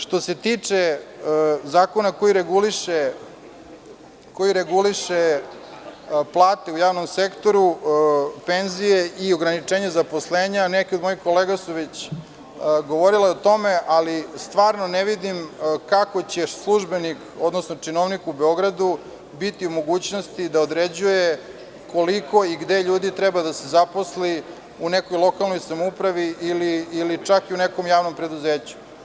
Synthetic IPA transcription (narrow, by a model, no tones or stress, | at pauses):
ʃt̪o̞se̞t̪it͡ʂe | zaːko̞nako̞jiɾeɡuliʃe | ko̞jiɾeɡuliʃe | plˠaːt̪e̞ujaːʋno̞msekt̪o̞ɾu | penzijeʔio̞ɡɾanit͡ʂeɲezapo̞sle̞ːɲanekʲeo̞d̪mo̞ixko̞leːɡasuʋet͡ɕ | ɡo̞ʋo̞ɾileot̪o̞meʔalist̪ʋaːɾno̞neʋid̪imkako̞t͡ɕeslˠuʒbe̞nikod̪nosnot͡ʂinoʋnikubeo̞ɡɾad̪u | bit̪iumo̞ɡuːt͡ɕno̞st̪id̪aod̪ɾed͡ʑuje | koliko̞iɡd̪e̞ʎuːd̪it̪ɾɛbad̪asezapo̞sli | unekojlˠo̞kalˠno̞jsamoupɾaʋiːliːlit͡ʂakiuneko̞mjaːʋno̞mpɾe̞d̪uzeːt͡ɕu̥